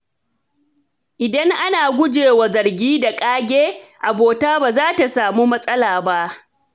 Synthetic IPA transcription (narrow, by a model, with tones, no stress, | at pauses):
ʔɪ˨dɐ˦ŋʔa˦naː˨ɡʷʊ˦d͡ʒeː˨wa˨zɐ˨rɡʲiː˦da˨kʼaː˦ɡʲeː˦ʔa˨boː˨taː˦baː˨zaː˦ta˨saː˨muː˦mɐ˦sʼɐ˦laː˨ba˦ʔ